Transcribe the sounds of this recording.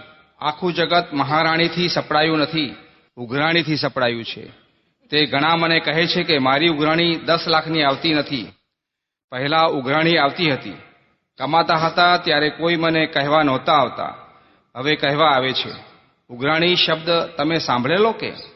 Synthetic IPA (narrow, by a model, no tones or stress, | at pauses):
akʰũd͡ʒəɡət̪məɦaɾaɽ̃it̪ʰisəpɽajũnət̪ʰi | ʊɡɾaɽ̃it̪ʰisəpɽajũt͡ʃʰḛ | t̪eɡʱəɽ̃ãmənekəɦet͡ʃʰekemaɾiuɡɾaɽ̃id̪əslakʰniaʋt̪inət̪ʰi | pəɦɛlaʊɡɾaɽ̃iaʋt̪iɦət̪ḭ | kəmat̪aɦət̪at̪jaɾekoimənekəɦʋanɔt̪aːʋt̪a̰ | ɦəʋekəɦɛʋaːʋet͡ʃʰḛ | ʊɡɾaɽ̃iʃəb̚d̪t̪əmesãmbʱɭelokḛ